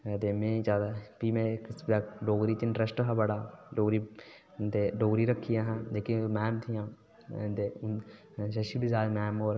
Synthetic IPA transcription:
d̪eːmẽːd͡ʒaːd̪aːpiːmɛ̃ːkaːɖoːɡɾiːt͡ʃ̪ɪɳʈɾəsʈɦabəɽaːɖoːɡɾiː | t̪eːɖoːɡɾiːɾəkʰːijãːɦãːd̪eːkimɛːmt̪ʰijãː | d̪eː | ʃəʃibɪzaːɾmɛːmoːɾ

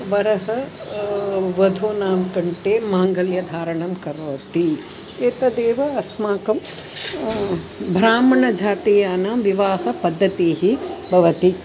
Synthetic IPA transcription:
ʋɐɾɐɦɐ | ʋɐd̪ʱoːnaːmkɐɳʈeːmaːŋɡɐljɐd̪ʱaːɾɐɳɐmkɐɾoːt̪i | eːt̪ɐd̪eːʋɐɐsmaːkɐm | bʱɾaːmɐɳɐd͡ʒʱaːt̪ijaːnaːʋiʋaːɦɐpɐd̪ʱːɐt̪iːɦibʱɐʋɐt̪i

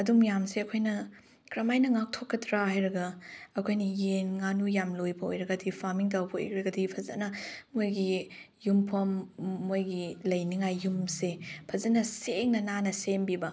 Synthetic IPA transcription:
ɐdumjamseɐkʰojnɐ | ɡɾɐmajnɐŋak̚tʰokːɐtɾahajɾɐɡɐɐkʰojnɐjenŋanujamlojbɐo̰jɾɐɡɐdipʰaɾmiŋt̬awbɐo̰jkɾɐɡɐdipʰɐzɐ̰nɐmojɡi | jumpʰɐmːojɡilɐjniŋajːumsepʰɐzɐnɐseŋnɐnanɐsembibɐ

